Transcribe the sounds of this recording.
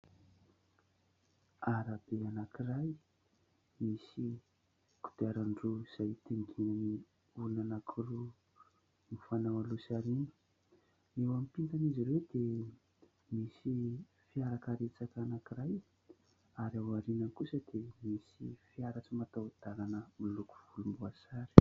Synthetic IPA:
aɾab̥eanakiraj | misi | ku̥d̪aɾaɳɖ͡ʐuz̥ajt̪iŋɡinani | ulunanakʰru | mifanawalusaɾinə̥ | ewamipint̪aniziɾed̪̥e | misi | fiaɾakaɾet͡sakanakiɾaj | aɾawaɾinankusəd̪̥emisḭfiaɾaʈ͡ʂimat̪awd̪̥alanəmiluku̥v̥ulumbuasaɾi̥

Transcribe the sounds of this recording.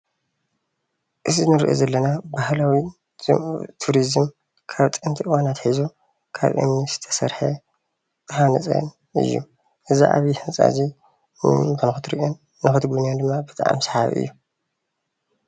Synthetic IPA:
ʔɨzinɨɾɨʔo̰zɐlːɐnabahlawi | t̪ʰuɾizɨm | kʰaβt̪ʼɨnt̪ʰiʔɨwanat̪ħizu | kʰa̰βʔɨ̰mnizɨ̥t̪ʰɐ̥sɐɾħɐ | hanɐt͡sʼɐ̰n | ʔɨ̰jːṵ | ʔɨziʔa̰βihɨnt͡sʼa̰zi | nɨ̰ɨnɨxɨt̪ɾiʔonː | ɨxɨt̪ɡunjand̪ɨmːabɨt̪ʼa̰ʔa̰msħa̰βʔɨ̰jːu

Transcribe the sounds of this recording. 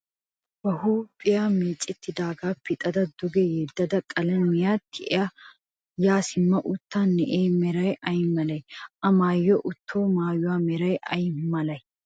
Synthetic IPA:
bɐhuːpʼɪjameːt͡sʼɪt̪ːɪd̪aːɡaːpːɪt̪ʼɐd̪ɐd̪ʊɡɛjɛd̪ːɐd̪ɐkʼɐlɐmɪjaːt̪ʰːɪʔɛɐ | jaːsɪmːɐʔʊt̪ːanːɛʔeːmɛɾɐjɐjmɐlɐjʔɐmaːjːɔʔʊt̪ʰːoːmaːjʊwaːmɛɾɐjʔɐjmɐlɐj

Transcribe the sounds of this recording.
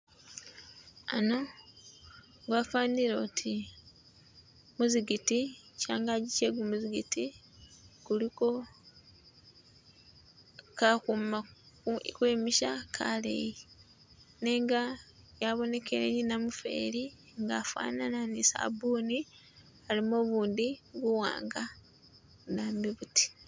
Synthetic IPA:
a̰no | ŋɡwaːfaːniɾotʰi | muziɡiticaːŋɡaɟiceɡumuziɡiti | kuliko | kakuma | kweːmiʃakʰa̰ːlḛji | neːŋɡa | jaβo̞ne̞keɾḛninamufe̞̰ːɾi | ŋɡafa̰ːnananisa̰buːni | alimo̞βuːndiβuwa̰ːŋɡa | naːmbiβuti̥

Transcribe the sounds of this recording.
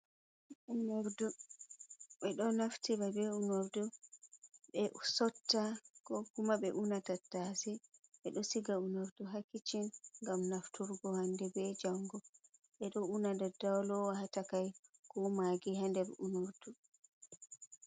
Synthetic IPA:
ʔunoɾdu | ɓɛɗɔnaftiɾabɛunoɾdu | ɓɛʔsɔtːakɔkumaɓɛʔunatatːasiɓɛɗɔsiɡaunoɾduɦakːit͡ʃinŋɡamnaftuɾɡɔhandɛbɛd͡ʒaŋɡɔ | ɓɛɗɔunadadawlɔwahatakajkɔmaɡiɦandɛɾunoɾd̥u

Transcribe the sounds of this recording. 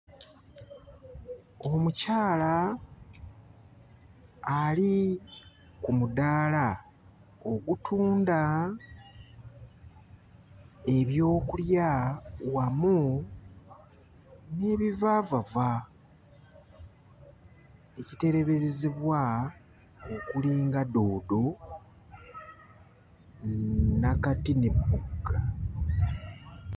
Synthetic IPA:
o̞mucaːla | li | kumudaːla | oɡutʰuːnda | e̞βjo̞ːkuljawamu | ne̞βivaːvava | ecite̞ɾe̞βe̞ɾezeβwa | okuliːŋɡado̞ːdo̞ | nakatine̞bːuɡːa

